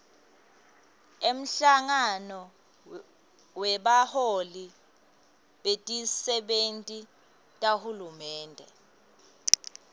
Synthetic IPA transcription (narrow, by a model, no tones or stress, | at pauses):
em̩ɬaŋanɔ | wɛɓaholi | ɓetʼisɛɓentʼi | tʼahulumɛːndʱɛ̰